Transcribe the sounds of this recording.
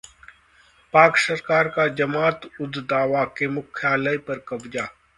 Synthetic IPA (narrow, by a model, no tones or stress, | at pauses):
paːksɐɾkaːɾkad͡ʒɐmaːt̪ʊd̪d̪aːʋakemʊkʰjaːləjpɐɾkɐbd͡ʒaː